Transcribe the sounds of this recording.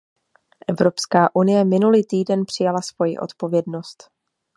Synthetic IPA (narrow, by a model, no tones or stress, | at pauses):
ʔɛvɾo̞pskaːʔunɪjɛmɪnuliːt̪iːdɛnpr̝̥ɪjalasv̥o̞jḭʔo̞̰t̪po̞vjɛdno̞st̪